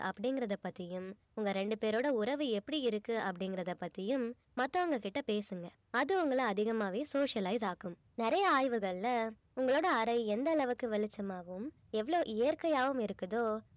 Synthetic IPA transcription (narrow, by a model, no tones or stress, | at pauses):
ʔɐpːɐɽɪŋɡɪɾɐðɐpːɐt̪ːɪjɯm | ʊŋɡɐɾɛɳɖɯpeːɾoːɽɐʊɾɐʋɯɛpːɐɽiɪɾɯkːɯʔɐpːɐɽɪŋɡɪɾɐðɐpːɐt̪ːɪjɯm | mɐt̪ːɐ̃ʊŋɡɐkɪʈːɐpeːsɯŋɡɐ | ɐðɯʊŋɡɐɭɐɐðɪɣɐmaːʋeːsoːʂɐlɐɪzaːkɯm | nɪɾɐjɐaːjʋɯɣɐɭɪlɐ | ʊŋɡɐɭoːɽɐːɾɐɪɛnd̪ɐlɐʋɯkːɯʋɛɭɪt͡ʃːɐmaːʋɯm | ɛʋːɐɭoːʔɪjɐɾkɐjaːʋɯmɪɾɯkːɐðoː